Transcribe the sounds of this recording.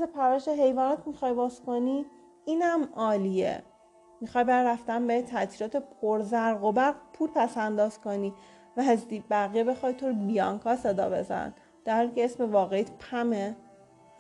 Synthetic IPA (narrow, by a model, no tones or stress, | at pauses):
zepʰævæʃeɦe̞jvɒːnɒt̪ʰmixɒːjbɒːzko̞ni | iːnæmɒːliḛ | mixɒːjbæjɾæft̪ænbet̪ʰæt̪ʰiːɾɒːt̪ʰepʰoɾzæɾɣobæɾpʰuːlpʰæsænd̪ɒːz̥ko̞niː | væɦzd̪ibæɣijebe̞xɒːjt̪ʰoɾbijɒŋkʰɒːse̞d̪ɒ̰ːbe̞̰zæ̰n | d̪̥æɾhɒːliːceesmevɒːɣeit̪ʰpʰæme